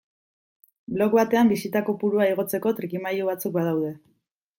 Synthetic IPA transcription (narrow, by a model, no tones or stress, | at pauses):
blo̞kβat̪e̞ambisit̪ako̞puɾuaiɣ̞o̞t͡se̞ko̞t̪ɾikimajuβ̞at͡suk̚bað̞awðe̞